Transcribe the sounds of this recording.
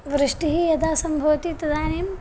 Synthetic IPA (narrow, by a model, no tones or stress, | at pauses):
ʋɾɨʂʈiɦijɐd̪ʱaːsɐmbʱɐʋɐt̪it̪ɐd̪aːneːm